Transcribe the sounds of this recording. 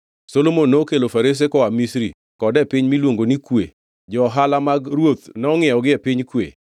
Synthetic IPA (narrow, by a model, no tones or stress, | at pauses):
solomonːokelofaɾes̬ekɔamisɾi | kɔdɛpɪɲmilwoŋɡonikwḛ | d͡ʒɔːɦalamaɡɾwot̪nɔɔŋɪɔɡɪepɪɲkwḛ